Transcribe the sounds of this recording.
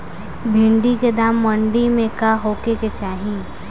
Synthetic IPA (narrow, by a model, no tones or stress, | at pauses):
bʱɪ̃ɳɖiked̪aːmːə̃ɳɖimẽkaɦoːkeket͡ʃaːɦĩ